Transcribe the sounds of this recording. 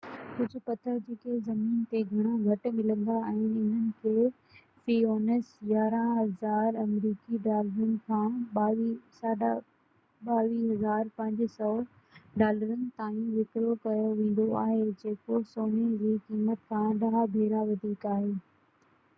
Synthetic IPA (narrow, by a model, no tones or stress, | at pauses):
kʊd͡ʑʱʊ̆pɐt̪ʰəɾd͡ʑeːkezɐmiːnt̪eɡʱɐɽ̃oɡʱɐʈ̆mɪlə̃nd̪aɛ̃ːɪn̤ənɪ̆kʰeː | fiːoːnesjaːɾãɦɐzaːɾɐmɾiːkiɖaːləɾənɪ̆kʰãːɓaːisaɗa | ɓaːʋiːɦɐzaːɾpɐ̃ɦɲd͡ʑsɔː | ɖaːləɾənɪ̆t̪aːjũʋɪkɾokɐjoʋẽːn̆d̪oaːɦed͡ʑeːkosoːned͡ʑiːkiːmət̪kʰãːɗɐɦabʱeːɾaʋɐd̪ʱiːkaːɦeː